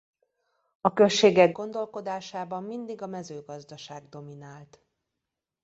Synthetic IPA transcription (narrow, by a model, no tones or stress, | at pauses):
ɒkø̞lʃeːɡɛɡːo̞nd̪o̞lko̞d̪aːʃaːbɒmːind̪iɡɒmɛzøːɡɒzd̪ɒʃaːɡd̪o̞minaːlt̪